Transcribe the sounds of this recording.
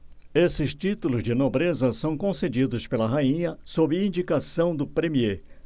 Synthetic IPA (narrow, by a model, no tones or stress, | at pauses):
esɪst͡ʃit̪ulʊzd͡ʒɪnobɾezɐsɐ̃w̃kõsed͡ʒid̪ʊspelɐɦaĩɲɐsobɪĩnd͡ʒikasɐ̃w̃d̪ʊpɾemie